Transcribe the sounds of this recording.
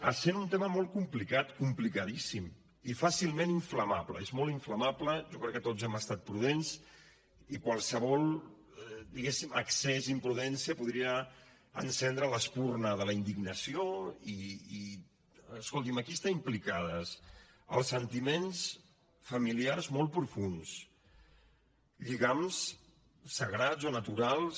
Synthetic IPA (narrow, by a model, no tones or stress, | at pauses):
ə̰senunt̪eməmɔlˠt̪̚kumplikat̪kumplikəðisim | ifasilˠmeniɱfləmaplə̰ezmɔlˠt̪iɱfləmapləʒɔkɾɛkːət̪ozɛməst̪at̪̚pɾuðens | ikwalˠsəβɔlˠ | d̪iɣesimə̰ksezimpɾuðɛnsiəpuðɾiə | ə̰nsɛnd̪ɾələspurnəðələind̪iɡnəsioiː | skolˠt̪̬iməkiəst̪aimplikaðəs | ə̰lˠsːənt̪imens | fəmiliarzmɔlˠt̪̚pɾufuns | ʎiɣams | səɣɾazonət̪uɾalˠs